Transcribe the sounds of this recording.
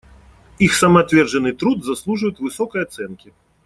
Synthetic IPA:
ixsɐmɐt̪ʲvʲɛrʐənːɨjt̪ɾudt̪zaslˠuʐɨjʊt̪ʲvɨsɔkɐjat̪sɛnkʲi

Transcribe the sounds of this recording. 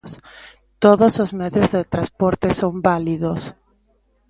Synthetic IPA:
s | t̪o̞ðo̞slo̞zme̞ðjo̞zðe̞t̪ɾaspo̞ɾt̪e̞so̞mbaliðo̞s

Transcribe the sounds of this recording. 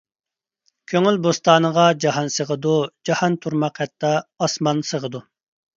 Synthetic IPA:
kʲʰøŋylbost̪ɑːnəʁɑd͡ʒɑɦɑnsəʁəd̪ud͡ʒɑhɑnt̪ʰuɾmɑqhɛt̪ːɑːsmɑnsəʁəd̪u

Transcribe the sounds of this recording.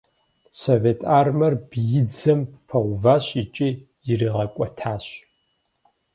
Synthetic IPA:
sovetʰʼaːrmɐrbjɪd͡zɐmpʰɐwvaːɕit͡ʃʼi | irɨʁɐkʷʼɔtʰaːɕ

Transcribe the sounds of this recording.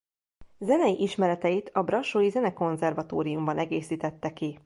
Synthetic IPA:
zɛnɛjiʔiʃmɛɾɛt̪ɛjit̪ʰɒbrɒʃoːjizɛnɛko̞nzɛrvɒt̪oːɾiumbɒnʔɛɡeːsiːt̪ɛt̪ːɛki

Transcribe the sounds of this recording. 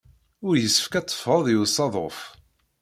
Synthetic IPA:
ʊɾjəsːə̥fkɑt̪ˤːə̥fəðˤjusɑðˤʊ̰f

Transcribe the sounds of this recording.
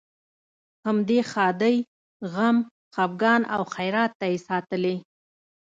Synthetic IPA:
hamd̪exɑd̪əj | ɣam | xab̚ɡɑnʔa̰wxajɾɑt̪ːajesɑt̪əle

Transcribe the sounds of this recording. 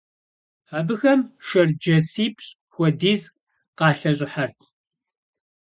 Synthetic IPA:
aːbɨxɐmʃɐrd͡ʒɐsiːpʰɕ | xʷɔdiːz | qɑːɬɐɕʼɪħartʰ

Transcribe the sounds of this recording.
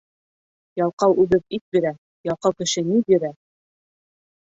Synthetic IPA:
jɑlˠqɑwʔʉðɘp̚it̪̚biɾæ | jɒlˠqɑwkɘ̆ʃɘnibiɾæ

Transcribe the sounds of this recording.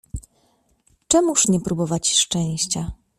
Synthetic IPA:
t͡ʂɛmuʂɲɛpɾubɔvat͡ɕiʂt͡ʂɛ̃w̃ɕt͡ɕa

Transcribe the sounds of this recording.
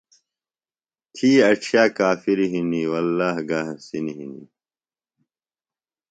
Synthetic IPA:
t̪ʰiːɐʈ͡ʂʰjaːkaːfiɾiɦiniːwɐlːaːɦɡaɦsiniɦinḭ

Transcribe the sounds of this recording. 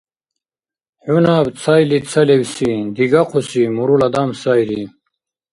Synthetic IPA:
ħunabt͡sʰajlit͡sʰalɛwsid̪iɡaqʰɔsimuɾulad̪amsajɾi

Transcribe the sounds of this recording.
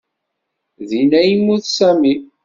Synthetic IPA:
ðinæjimːuθsæmi

